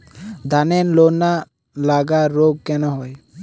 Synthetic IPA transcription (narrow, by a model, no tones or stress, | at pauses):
d̪anenlona | laɡaɾːoɡ̚kɛnɔɦɔj